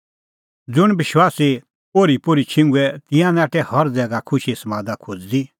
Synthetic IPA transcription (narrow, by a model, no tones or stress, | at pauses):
d͡zʊɽ̃bɪʃwaːsi | poːɾipoːɾit͡ʃʰɪ̃ŋɡuɛt̪ɪ̃jãnaːʈɛhɐɾd͡zɛːɡakʰʊʃisɐmãːd̪akʰod͡zd̪i